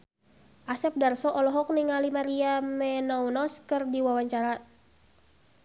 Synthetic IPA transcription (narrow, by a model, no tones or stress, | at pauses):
ʔasɛp̚darsɔʔɔlɔɦɔk̚niŋalimaɾiamɛnɔwnɔskɨrdiwawaɲt͡ʃaɾa